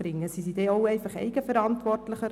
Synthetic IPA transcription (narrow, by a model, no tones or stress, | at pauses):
rɪŋəsisideːowɛɪfɑχɛ̰ɪɡ̥əfəɾɑntʋɔrtləχə